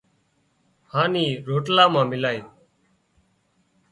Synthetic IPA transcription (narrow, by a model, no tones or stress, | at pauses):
haːniːɾoːʈlaːmãːmɪlaːjoː